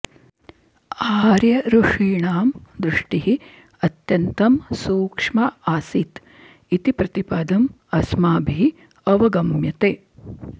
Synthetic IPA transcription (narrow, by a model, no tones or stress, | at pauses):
aːɾjɐɾuʂiːɳaːmd̪ɾuʂʈiɦi | ɐt̪jɐnt̪ɐmsuːkʂmɐaːsit̪ | it̪ipɾɐt̪ipaːd̪ɐm | ɐsmaːbʱi | ɐʋɐɡɐmjɐt̪eː